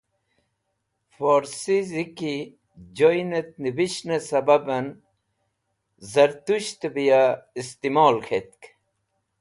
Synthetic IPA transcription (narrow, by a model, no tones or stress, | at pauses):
foɾsiziki | d͡ʑojnet̪̚nibiɕnesɐbɐbɐn | zɐɾt̪uɕt̪ebijaist̪imoːlkʰet̪̚k